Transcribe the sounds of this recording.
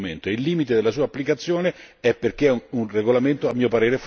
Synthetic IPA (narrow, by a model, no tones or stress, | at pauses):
ment̪oeilːiːmit̪ed̪elːasuːaːpːlikat̪sːjoːneɛpːerk̟eunreɡolament̪oamːiːopaɾeːɾef